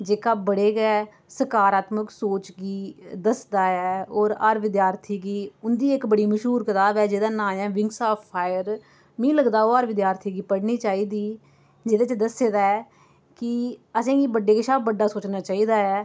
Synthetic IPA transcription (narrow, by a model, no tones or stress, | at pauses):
d͡ʒeːkaːbəɽeːɡɛː | səkaːɾaːt̪məksoːt͡ʃɡiːd̪əsd̪aːɛːoːɾəɾʋɪd̪jaːɾt̪ʰiːɡiːʊnd̪iːɪkbəɽiːməʃɦuːɾkət̪aːbɛːd͡ʒeːd̪aːnãːɛ̃ːʋɪ̃ŋɡsaːpʰpʰːaːjəɾ | mĩːləɡd̪aːoːəɾʋɪd̪jaːɾt̪ʰiːɡiːpəɽniːt͡ʃaːiːd̪iː | d͡ʒeːd̪eːt͡ʃəd̪əseːd̪aːɛː | kɪəsẽːɡiːbəɖːeːkɪʃaːbəɖːaːsoːt͡ʃnaːt͡ʃaːiːd̪aːɛː